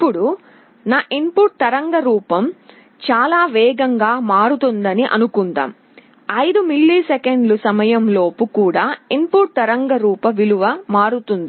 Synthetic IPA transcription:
ipːuɽu | naːʔimpuʈ̚t̪ɐɾɐŋɡɐɾuːpɐm | t͡ʃaːlaːʋɛːɡɐŋɡaːmaːɾut̪und̪ɐniʔɐ̰nukund̪a̰ːm | ɐjd̪umilːisɛkeɳɖlusɐmɐjɐmlo̞ːpukuːɽaːimpuʈ̚t̪ɐɾɐŋɡɐɾuːpɐʋiluʋɐmaːɽut̪und̪i

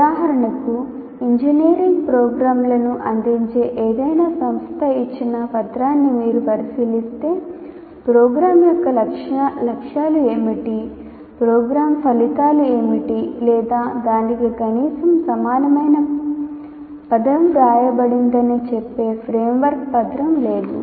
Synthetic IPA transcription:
ud̪aːɦɐɾɐɳɐku | iɲd͡ʒiniːɾiŋɡpɾɔːɡɾaːmlɐnuʔɐnd̪iɲt͡ʃe̞ːʔeːd̪ɐjnaːsɐmst̪ʰɐit͡ʃːinɐpɐt̪ɾaːnːimiːɾupɐɾisilist̪e̞ː | pɾɔːɡɾaːmjɔkːɐlɐkʂlɐkʂaːlue̞ːmiʈi | pɾoːɡɾaːmpʰɐlit̪aːlue̞ːmiʈilɛːd̪aːd̪aːnikikɐniːsɐmsɐmaːnɐmɐjnɐ | pɐd̪ɾɐmɡaːjɐbɐɽind̪ɐnit͡ʃepːe̞ːpʰɾeːmʋɐɾkpɐd̪ɾɐmle̞ːd̪ṵ

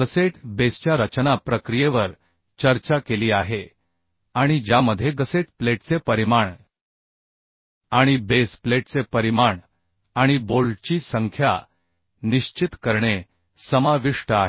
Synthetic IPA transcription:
ɡəseʈbest͡ɕjaɾət͡ɕnapɾəkɾijeʋəɾ | t͡ɕəɾt͡ɕakeliːaɦe | aɽ̃id͡ʑjaməd̪ʱːjeɡəseʈpleʈt͡sepəɾimaɳ | aɽ̃ibespleʈ̚t͡sepəɾimaɳ | aɽ̃ibolt͡ɕiːsəŋkʰja̰ | niɕt͡ɕit̪kəɾɳe | səmaʋiʂʈəaɦe

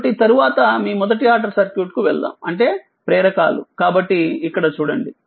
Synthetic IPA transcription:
ʈːit̪ɐɾuʋaːt̪ɐmiːmɔd̪ɐʈijaːɾʈɐɾsɐɾkjuːʈkuʋɛɭd̪a̰ːmɐɳʈe̞ː | pɾɛːɾɐka̰ːlṵkaːbɐʈːiːkːɐɽɐt͡ʃuːɽɐɳɖi

